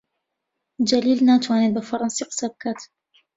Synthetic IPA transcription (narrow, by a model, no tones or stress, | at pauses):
d͡ʒaliːlnat̪wanid̪̚bafɑɾˤɑnsiqsab̚kat̪